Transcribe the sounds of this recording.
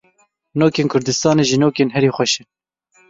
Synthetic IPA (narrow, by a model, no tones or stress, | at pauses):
noːkeːnkʰʊɾd̪ɨst̪ɑːneːʒinoːkeːnɦɛɾiːxʷɛʃɨn